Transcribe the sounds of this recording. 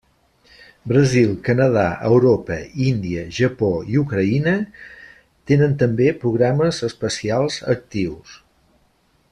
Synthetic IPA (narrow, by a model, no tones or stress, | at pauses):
bɾəzilˠkənəð̞a̰ʔəwɾopəind̪iəʒəpoiukɾəinə | t̪enənt̪əmbepɾuɣɾaməzəspəsialˠzə̰k̚t̪iws